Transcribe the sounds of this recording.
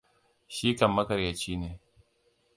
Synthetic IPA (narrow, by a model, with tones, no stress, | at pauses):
ʃi˦kɐ˨mːɐ˦kɐ˨ɾja˨t͡ʃiː˦neː˨